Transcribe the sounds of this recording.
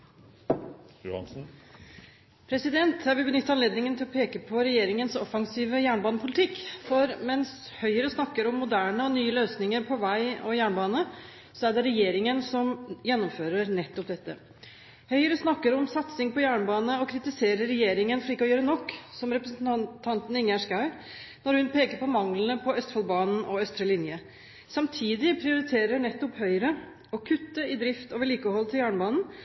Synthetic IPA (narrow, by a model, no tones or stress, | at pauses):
n | pʰɾɛsɪd̪ɛnt̪hæɾʋɪbənʏt̪ːɑnleːd̪nɪŋənt̪ɪlɔpʰeːkəpʰɔɾɛjeːɾɪŋənsɔfɑŋsiːʋəjæːɳbɑːnəpʰʊlɪt̪ʰɪkːfɔɾmɛns | hœʏəɾəsnɑkːəɾɔmːʊd̪æːɳəɔnyːəløːsnɪŋəɾpʰɔʋæɪɔjæːɳbɑːnə | sɔæɖɛɾɛjeːɾɪŋənsɔmjɛnːɔmføːɾəɾnɛt̪ːɔp̚d̪ɛt̪ːə̰ | hœʏəɾəsnɑkːəɾɔmsɑt̪sɪŋpɔjæːɳəbɑːnəɔkʰɾɪt̪ɪseːɾəɾɛjeːɾɪŋənfɔɭiːkːəɔjøːɾənɔkːsɔmɾɛpɾəsn̩t̪t̪ʰɑnt̪n̩ɪŋjæʂkɑʉnɔɾhʉnpʰeːkəɾpʰɔmɑŋlənəpʰɔœst̪fɑlbɑːnn̩ɔœst̪ɾəlɪnjə | sɑmt̪ʰiːd̪ɪpʰɾɪʊɾɪt̪ʰeːɾəɳɛt̪ːɔphœʏəɾə | ɔkʰʉt̪ːəɪd̪ɾɪft̪oːʋəɭiːkəhɔlːt̪ʰɪljæːɳəbɑːnn̩